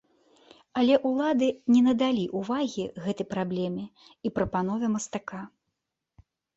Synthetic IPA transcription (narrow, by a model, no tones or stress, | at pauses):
ɐlʲɛʔulˠad̪ɨnʲɛnɐd̪alʲiʔuvaɣʲiɣɛt̪ɐjpɾablʲɛmʲɛ | ipɾɐpanɔvʲɐmɐst̪aka